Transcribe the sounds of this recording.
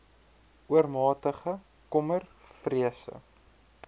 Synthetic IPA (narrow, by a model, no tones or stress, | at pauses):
uərmɑːtəχə | kɔmərfriəsə̰